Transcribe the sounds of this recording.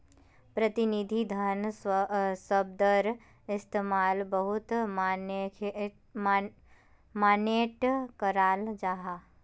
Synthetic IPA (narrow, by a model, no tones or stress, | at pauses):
pɾɐt̪ɪnid̪ʱid̪ʱɐn | səb̚d̪əɾ | ɪst̪eːmaːlbəɦʊt̪ | maːneːʈkəɾaːld͡ʒaːɦaː